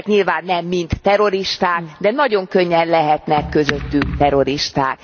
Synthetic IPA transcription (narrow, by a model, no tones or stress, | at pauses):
kɲilvaːnːɛmːint̪ːɛɾo̞ɾiʃt̪aːkd̪ɛnɒɟo̞ŋkø̞ɲːɛnlɛɦɛt̪nɛkːø̞zøt̪ːykt̪ɛɾo̞ɾiʃt̪aːk